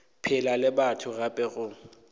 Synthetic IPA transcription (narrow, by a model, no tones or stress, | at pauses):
pʰɪlalɪbatʰʊɣapʼɛɣʊ